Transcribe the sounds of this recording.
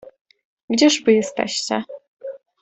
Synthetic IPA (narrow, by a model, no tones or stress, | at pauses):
ɡd͡ʑɛʐvɘjɛst̪ɛ̰ɕt͡ɕɛ